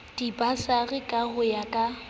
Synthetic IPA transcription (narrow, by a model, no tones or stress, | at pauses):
d̥ipʼasaɣɪkʼaɣʊjakʼa